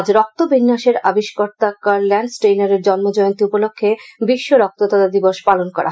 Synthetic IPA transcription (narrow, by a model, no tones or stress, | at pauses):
d͡ʑɾɔk̚t̪obinːaʃeɾabiʃkɔɾt̪akaɾlɛnɖsʈɾejnaɾeɾd͡ʑɔnmod͡ʑɔjont̪iupolokʰːebiʃːoɾɔk̚t̪ot̪ad̪ad̪iboʃpalonkɔɾa